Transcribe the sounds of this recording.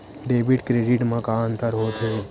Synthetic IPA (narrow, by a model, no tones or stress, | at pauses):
ɖeːbɪɖkɾeːɖɪʈmãkaə̃nt̪əɾɦoːt̪ɦẽː